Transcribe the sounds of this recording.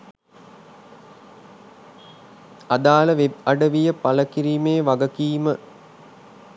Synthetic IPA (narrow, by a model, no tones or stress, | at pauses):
ɐd̪aːləʋeɐɖəʋijəpɐləkiɾiːmeːʋɐɡəkiːmə